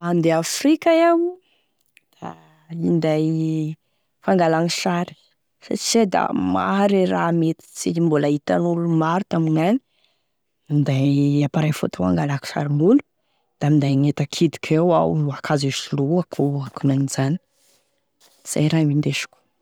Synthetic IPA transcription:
and̪eafrikajaw | d̪̥a | ind̪aj | faŋɡalaŋiʃaɾi̥ | sa̰t͡ʃized̪a̰ma̰ɾeɾamet̪i̥t͡simbolait̪anulumaɾut̪aminani̥ | ind̪ajapaɾafo̰t̪aa̰ŋɡalaki̥ʃa̰ɾimbulu̥ | d̪̥amind̪ajŋet̪akʰid̪i̥kʲʰewa̰wuakʰaziʃuluakʰuakunanizani̥ | z̥a̰jɾamind̪eʃu̥kʲu̥

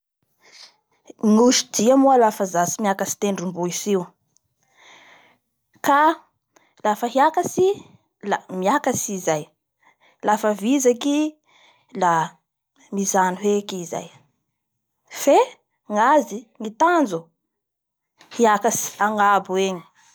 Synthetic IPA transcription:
ŋuʃi̥d̪iamualafazasimiakasi̥t̪eɳɖ͡ʐumbuisiw | ka | lafəɦiakasi | lamiakasizaj | lafəvizaki | la | mizaniɦekiza̰j | fe | ŋaziŋit̪and͡zu | hiakasi̥aŋabueɲi̥

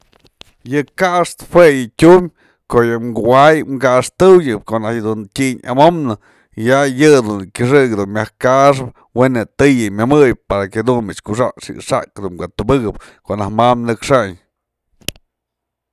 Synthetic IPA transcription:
jɨkaʔʂt̪ɨ̥hwejɨtʲumʲ | koʔjɨmɡuwajŋɡaʔʂt̪ɨwjɨp̚koʔnahjd̪untʲiɲa̰momnɨ | jajɨd̪unkʲɨʂ̬ɨɡd̪unmʲahkaʔʂ̬ɨp̚ | wenɨt̪ɨjɨmʲamɨj̚paɾaked̪unmit͡ʃkuʂ̬a̰ʂɨ̰ʂa̰kd̪unkʷaʔt̪ubɨɡɨp̚koʔnahmamnɨkʂaɲ

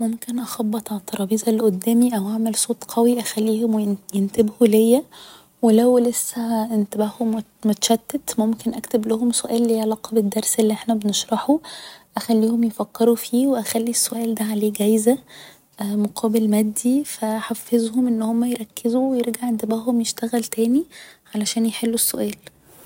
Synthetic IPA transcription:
momkenʔɑxɑbːɑt̪ˤʕat̪ːɑɾˤɑːbiːzˤælːʔod̪ːæːmiʔæwʔaʕmelsˤoːt̪ˤqʰɑwiʔæxælːiːhomwjent̪ebhulejːæ | welæwlesːæʔent̪æbæːhom | mot̪æʃæd̪ːæt̪momkenʔæ̰kt̪eblæhomsoʔæːlːiʕlɑːqɑbed̪ːɑɾˤselːiʔeħnæbeneʃɾˤɑħuʔæxælːiːhomjefækːeɾufiːweʔæxælːisːoʔæːld̪æʕaleːɡæjzæ | moqʰɑːbelmæd̪ːifæħafːezhomʔenːhomːæjeɾˤɑkːezuwejeɾɡaʕʔent̪ebæːɦhomjeʃt̪æɣælt̪æːniʕalæʃæːnjeħelːusːoʔæːl

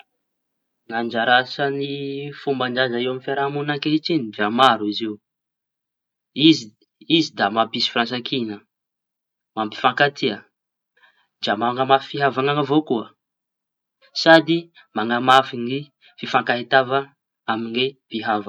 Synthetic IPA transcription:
nand͡ʒaɾasənifumbaɳɖ͡ʐazaiwamifeɾamunakeit͡ʃiniviamaɾuiziw | izi | izid̪amabisi̥fransakʰinə | mambi̥faŋkat̪ʰiə | d͡ʒamaaŋəmafiɦavaŋaŋəvokuə | sad̪i | maŋamafini | fifaŋkaɦit̪ava | aminev̥iɦava

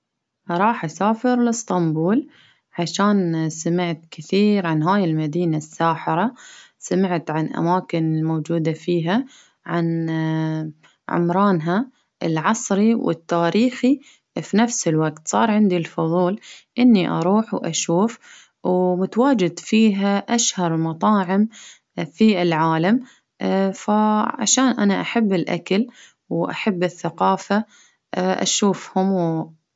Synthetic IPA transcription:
ɾˤɑːħʔasaːfɪɾlɪst̪ɑmbuːl | ʕaʃaːnsamɪʕt̪kɪθiːɾʕanɦaːjɪlmad̪iːnasːaːħɪɾˤa | samɪʕt̪ʕanʔa̰maːkɪnɪlmoːd͡ʒuːd̪afiːɦa | ʕan | ʕʊ̰mɾˤɑːnɦa | ʔɪ̰lʕɑsˤɾiwɪ̰t̪ːaːɾiːxi | finafsɪlwaɡt̪sˤɑ̰ːɾˤʕɪnd̪ilfʊðˤuːlʔɪnːiʔɑ̰ɾˤuːħwʔa̰ʃuːf | wmʊt̪awaːd͡ʒɪd̪fiːɦaʔaʃhɑɾˤmɑt̪ˤɑːʕɪm | fiɪlʕaːlam | faʕa̰ʃaːnʔanaʔaħabːɪlʔa̰kal | wʔa̰ħabːɪθːaqɑːfa | ʔa̰ʃuːfhʊmw

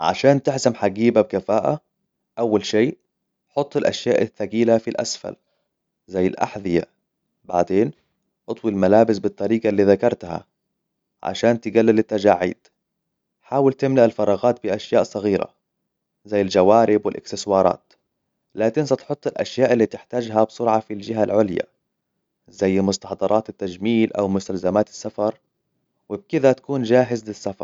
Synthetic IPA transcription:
ʕa̰ʃaːnt̪ɪħsamħaɡiːbab̚kafaːʔa | ʔawːalʃeː | ħot̪ˤːɪlʔaʃjaːʔɪθːaɡiːlafilʔa̰sfa̰l | zajːɪlʔa̰ħðɪja̰ | ba̰ʕd̪eːn | ʔɑt̪ˤwilmalaːbɪsbɨt̪ˤːɑɾiːɡɑlːiːðakɑɾˤt̪ha̰ | ʕa̰ʃaːnt̪ɪɡalːalɪt̪ːad͡ʒaːʕːḭːd̪̥ | ħaːwɪlt̪ɪmlaʔalfɑɾˤɑːɣaːt̪̚bɪʔaʃjaːʔsˤɑɣiːɾa̰ | zajːɪld͡ʒawaːɾɪbwɪlʔɪ̰ksɪswɑːɾˤɑ̰ːt̪ | laːkɪnsat̪ħʊt̪ˤːɪlʔa̰ʃjaːʔɪlːiːt̪ɪħt̪aːd͡ʒɦabsˤʊɾʕɑfild͡ʒɪɦalʕʊlja̰ | zajːmʊst̪ɑħd̪ˤɑɾˤɑːt̪at̪ːad͡ʒmiːlʔa̰wmʊst̪alzamaːt̪ɪ̥sːafɑɾˤ | wɪb̚kɪd̪at̪ḁkuːnd͡ʒaːɦɪzlɪsːafɑ̰ɾˤ

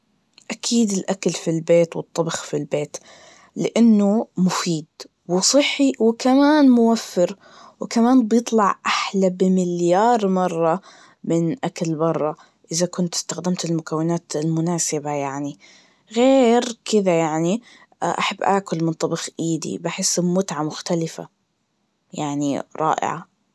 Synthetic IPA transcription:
ʔakʰiːd̪ɪlʔakalfilbeːt̪wɨt̪ˤːɑbxfilbeːt̪ | lɪʔanːʊmʊfiːd̪ | wɪsˤɨħːiwɪkamaːnmʊwafːɪɾ | wkamaːnbjɨt̪ˤlɑʕʔaħlabɪmɪljɑːɾˤmɑrˤːɑ | mɪnʔaklbɑrˤːɑ | ʔɪðakʊnt̪ɪ̥st̪axd̪amt̪ɪlmʊkawːɪnaːt̪ɪlmʊnaːsɪbajaʕni | ɣeːɾkɪðajaʕni | ʔaħabːʔaːkʊlmɪnt̪ˤɑbixʔiːd̪ḭbaħɪsːmʊt̪ʕamʊxt̪alɪfa̰ | jaʕniɾˤɑ̰ːʔɪ̰ʕa̰

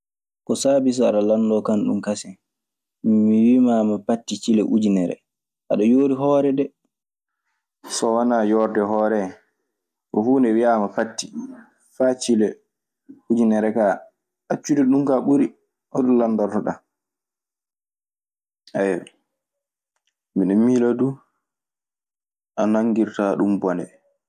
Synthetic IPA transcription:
kɔsaːbis̬ɔaɗalandɔkanɗṵmkasɛ | miwimamapatːit͡ʃilɛʔud͡ʒinɛɾɛ̰ | ʔaɗɔjoːɾiɦɔːɾɛdɛ | sɔwanajɔɾdɛɦɔːɾɛ | kɔhuːndɛwiamapatːi | fat͡ʃilɛ | ud͡ʒinɛɾɛka | at͡ʃːudɛɗumkaɓuɾi | ʔɔɗɔnlandaɾtɔɗa | ʔajɔ | miɗɛmiladu | ʔanaŋɡiɾtaɗumbɔnɛ̰

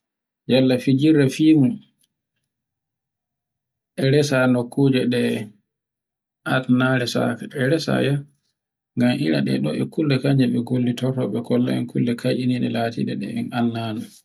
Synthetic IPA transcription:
jalːafid͡ʒiɾːɛfiːmu | ʔɛɾɛsanokʰːuːd͡ʒɛɗɛ | ʔatnaɾɛsa̰kaɛɾɛsa̰ja | ŋɡamʔiɾa̰ɗɛ̰ɗɔ̰ʔɛ̰kulːɛkaɲd͡ʒɛɓɛɡolːitɔɾtɔɓɛkɔlːa̰ɛ̰nkʰulːɛkʰajʔiniɗɛlaːtḭɗɛɗɛ̰ɛnanːaːnu

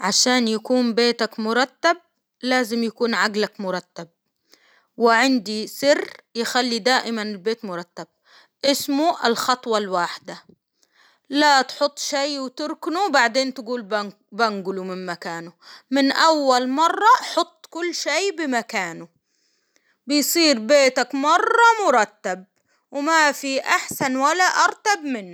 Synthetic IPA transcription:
ʕaʃaːnjakuːmbeːt̪akmʊɾˤɑt̪ːab̚ | laːzɪmjakuːnʕaɡlakmʊɾˤɑt̪ːab̚ | wɪʕɪnd̪isɪrːjɪxalːid̪aːʔɪmanɪlbeːt̪mʊɾˤɑt̪ːab̚ | ʔɪsmʊʔɪlxɑt̪ˤwɑlwaːħɪd̪a | lat̪ħʊt̪ˤːʃajwɪt̪ʊɾknubaʕd̪eːnt̪ɪɡuːlb | baŋɡʊlumɪmmakaːnʊmɪnʔawːalmɑrˤːɑʔħʊt̪ˤːkʊlːʃajbɪmakaːnʊ | bɪjsˤiːɾbeːt̪akmɑrˤːɑmʊɾˤɑt̪ːab̚ | wɪmafiʔaħsanwalːaʔɑɾˤt̪ab̚mɪnː

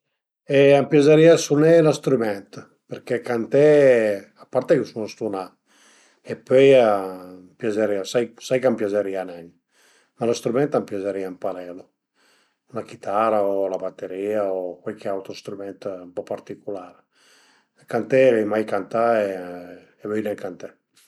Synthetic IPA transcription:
ɛampjazeɾiasunɛlast̪ɾumɛnt̪ | peɾkekant̪ɛ | apːaɾt̪ɛkusunast̪una | epøjampjazeɾiasajsajkampjazeɾianɛɲ | malast̪ɾumɛnt̪ampjazeɾiampaɾɛlo | lakit̪ʰaɾaolabat̪ːeɾiːaokwalkʰeawt̪ɾost̪ɾumɛnt̪mpɔpaɾt̪ikulaːɾə | kant̪ɛɛjmajkant̪aeː | vɛjnɛŋkant̪ɛ

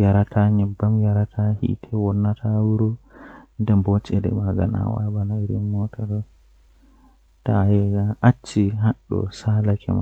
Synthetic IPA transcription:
jaɾatʰaɲɛbːamjaɾatʰahḭtʰɛwɔnːatʰawuɾɔndɛmbɔt͡ʃːɛdɛ̰maɡa̰na̰wa̰banaiɾimːɔtʰɔdɔ | tajɛɡaʔat͡ʃːiɦaɗːɔ̰salakɛ̰ma̰

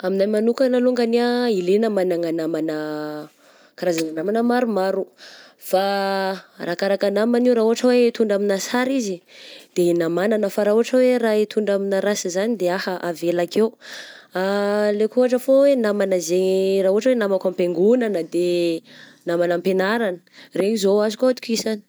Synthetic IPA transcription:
aminamanukanaluŋɡaniailenəmanaŋanamanə | kaɾazananamanəmaɾumaɾu | fa | rakaɾakanamaniwɾaːuɦaʈ͡ʂəwet̪uɳɖ͡ʐaminasaɾizid̪̥enamananəfaɾaɦuɦaʈ͡ʂəwerait̪ʰuɳɖ͡ʐaminaɾasizanid̪eahəʔavelakewalekuɦaʈ͡ʂəfowenamanəzeraɦuɦaʈ͡ʂəwenamakʷampeŋɡunanəd̪e | namanampenaɾanə̥reɲizoazukoat̪u̥kʲisani̥

